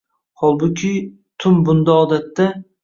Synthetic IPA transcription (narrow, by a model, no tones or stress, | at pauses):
hɒlˠbʊkʲʰɪ | t̪ʰʊmbʊnd̪aɒd̪at̪ːa